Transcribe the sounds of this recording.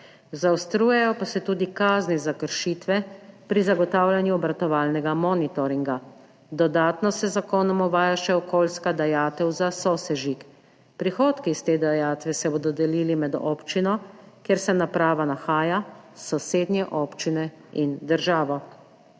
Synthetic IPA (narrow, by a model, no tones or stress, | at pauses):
zawst̪ɾuːjɛjɔpasɛt̪uːd̪ikaːznizakəɾʃiːt̪ʋɛpɾizaɡɔt̪aːwlʲjanjuɔbɾat̪ɔʋaːlnɛɡamɔːnit̪ɔɾiŋɡa | d̪ɔd̪aːt̪nɔsɛzakoːnɔmɔʋaːjaʃɛɔkoːlskad̪ajaːt̪ɛwzasɔsɛʒik | pɾixoːt̪kist̪eːd̪ajaːt̪ʋɛsɛboːd̪ɔd̪ɛliːlimɛd̪ɔ̰ːpt͡ʃinɔkjeːɾsɛnapɾaːʋanaxaːjasɔseːd̪njɛʔɔːpt͡ʃinɛ | ind̪əɾʒaːʋɔ